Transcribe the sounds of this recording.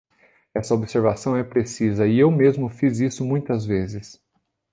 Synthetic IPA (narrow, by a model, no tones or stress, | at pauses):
ɛsɐobseɾvasɐ̃w̃ɛpɾesizɐɪewmezmʊfizisʊmũj̃t̪ɐzvezɪs